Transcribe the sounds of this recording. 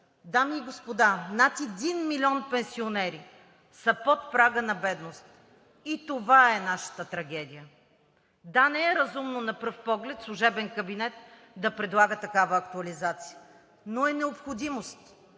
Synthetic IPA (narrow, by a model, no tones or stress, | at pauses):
d̪amiːɡospod̪anat̪ɛd̪inmilʲiɔnpɛ̃nsionɛɾi | sɐpot̪pɾaɡənɐbɛd̪nost̪ | it̪ovaɛnaʃə̥t̪ət̪ɾɐɡɛd̪ʲijə | d̪anɛɛɾɐzumnonɐpɤfpɔɡlɛt̪slˠʊʒɛbɛnkɐbinɛt̪ | d̪ɐpɾɛd̪lˠaɡət̪ɐkavəːkt̪uɐlizat̪si̥ə | noɛnɛopxod̪imost̪